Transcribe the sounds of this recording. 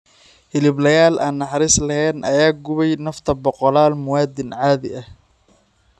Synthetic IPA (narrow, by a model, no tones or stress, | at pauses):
hɪlɪblɐjaːlʔaːnːɑħɑɾiːslɐhɛːnʔɐ̰jaːɡʊβɛjnɐft̪ʰɐbɔqɔlaːlmʊwaːd̪ɪnʕaːðɪʔɐh